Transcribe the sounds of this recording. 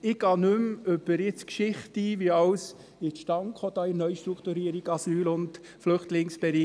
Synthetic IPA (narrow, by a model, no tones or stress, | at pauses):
ɪɡ̥ɑːnʉmʉb̥əɾɪt͡skʃɪχtiʋiɑws | ɪʃtɑŋkχod̥̪ɑːɪnœʏʃtɾukʰt̪uɾiəɾiɡ̥ɑsyːlʊnd | flʏχtlɪŋsb̥ɛɾiː